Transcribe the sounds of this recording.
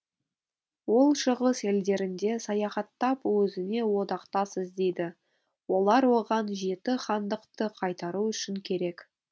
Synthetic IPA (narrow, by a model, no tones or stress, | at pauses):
wo̞lˠʃəʁəseld̪e̞ɾɪnd̪e̞sɑjɑχɑt̪ːɑpwɵzɪne̞wo̞d̪ɑqt̪ɑsəzd̪e̞jd̪ɪ | wo̞lˠɑɾwo̞ʁɑnʒe̞t̪ɪχɑnd̪əqt̪əqʰɑjt̪ɑɾuʏʃɪŋkʲʰe̞ɾe̞k